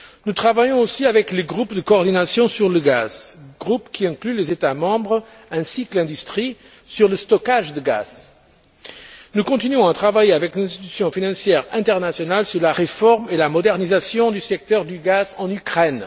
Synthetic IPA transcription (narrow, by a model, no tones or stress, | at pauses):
nut̪χavajɔ̃osiavɛkləɡʁupd̪əkoːʁd̪inasjɔ̃syʁləɡaz̥ɡ̥ʁupkʲʰiɛ̃klylezet̪amɑ̃bʁ | ɛ̃sikəlɛ̃d̪yst̪χi | syʁləst̪ɔkaʒd̪əɡa̰z̥ | nukɔ̃t̪inɥɔ̃at̪χavajeavɛklɛ̃st̪it̪y̥sjɔ̃finɑ̃sjɛʁɛ̃t̪ɛʁnasjɔnalsyʁlaʁefɔʁmelamɔd̪ɛʁnizasjɔ̃d̪ysɛk̚t̪œʁd̪yɡazɑ̃nykχɛn